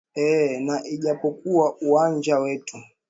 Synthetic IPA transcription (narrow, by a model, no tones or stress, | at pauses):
ɛnaʔiʄapɔkuwaʔuwand͡ʒawɛtu